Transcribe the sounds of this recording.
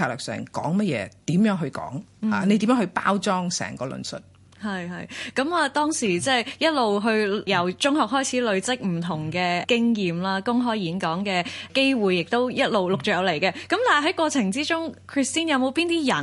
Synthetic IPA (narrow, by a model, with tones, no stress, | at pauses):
aː˨˩lœː˨˩k̚sœ̰ː˨˩ŋkɔ̰ː˨˥ŋmɛ˥jɛ̰ː˧t̪iː˨˥mjœː˨˥ŋɦɵ˧ɥkɔ̰ː˨˥ŋha̰ː˨ne˨˧t̪i˨˥mjœː˨˥hɵ˧pa̰ː˥wt͡ʃɔː˥ŋsɛ̰ː˨˩ŋkɔː˧lɵ̰˨˩nsɵ̰˨t̚ | hɐ˨jɦɐ˨˧jkɐ˨˥maː˨t̪ɔː˥ŋsiː˨˩t͡sɛː˥˩jjɐ˥t̚lo˨wɦɵ˧ɥjɐ˨wt͡ʃʊ˥ŋhɔː˨k̚ɦɔː˥jt͡sʰiː˨˥lɵ˨˧ɥt͡sɪ˥k̚m̩˨˩t̪ʰʊ˨˩ŋkɛː˧kɪ˥ŋjiː˨mlaː˥kʊ˥ŋɦɔː˥jjiː˨˥nkɔː˨˥ŋkɛː˧ke˥jwuː˨jːɪ˨k̚t̪o˥wjɐ˥t̚lo˨wlʊ˨k̚t͡ʃœː˨˩˧wle˨˩jkɛː˧kɐ˨˥mt̪aː˨˩˨ɦɐ˨˥jkʷwɔː˧t͡sʰɪ˨˩ŋt͡siː˥t͡ʃʊ˥ŋkʰɹi˧˩st̪iː˥njɐ˨˧wmo˨˧wpiː˥nt̪iː˥jɐ˨˩n